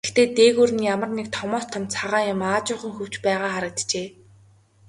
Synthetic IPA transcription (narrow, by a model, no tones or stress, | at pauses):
xt̪eːt̪eːɣuːrɘ̆njamə̆rnek̚t̪ʰɔmɔːst̪ʰɔ̆mt͡sʰaʁaːjʊmaːt͡ɕʊːɴχə̆ŋxɵw̥t͡ɕpæːʁaːχaɾə̆k̚t̪t͡ɕeː